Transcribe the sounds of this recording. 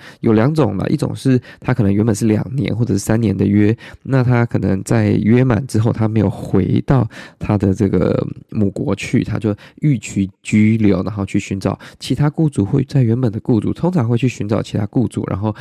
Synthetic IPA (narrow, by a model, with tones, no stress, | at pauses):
jo˨˩ʊljɑ˧˦ŋʈ͡ʂʊ˨˩ŋlə̰˨˦ʔḭ˥˩ʈ͡ʂʊ̰˨˩ŋʂɻ̩˥˩t̪ʰa˥kʰɤ˨˩nə˧ŋɥɛ˧˥nbə˨˩nʂ̬ɻ̩˥˩ljɑ̰˨˩ŋnjɛ̰˧˦nxwɔ˥˩ʈ͡ʂɤ˨˩ʂɻ̩˥˩sa˥njɛ˧˥nd̪ə˧˨ɥɛ˥na˥˩t̪ʰa˥kʰɤ˨˩nə̰˧˦ŋt͡sa˥˩ɪɥɛ˥ma̰˨˩nʈ͡ʂɻ̩˥xo˥˩ʊt̪ʰa˥me˧˥ɪjo̰˨˩xwe˧˥ɪt̪ɑ˥˩ʊt̪ʰa˥d̪ə˨ʈ͡ʂɤ˥˩ɡə̰˩mu˨˩kwɔ˧˥t͡ɕʰy̰˥˩t̪ʰa̰˥t͡ɕjo˥˧ʊy˥˩t͡ɕʰy˧˥t͡ɕy˥ljo˧˥ʊna˧˥ŋxo˥˧t͡ɕʰy˥˩ɕy˧˥nʈ͡ʂɑ̰˨˩˦ʊt͡ɕʰi˧˥t̪ʰa˥ku˥˧t͡su˥˩xwe˥˧ɪt͡sa˥˩ɪɥɛ˧˥nbə˨˩nd̪ə˦ku˥˧t͡sṵ˥˩t̪ʰʊ˥ŋʈ͡ʂʰɑ˧˥ŋxwe˥˧t͡ɕʰy˥˩ɕy˧˥nʈ͡ʂɑ˨˩ʊt͡ɕʰi˧˥t̪ʰa˥ku˥˧t͡sṵ˥˩ɻʔa̰˧˥nxo˥˩ʊ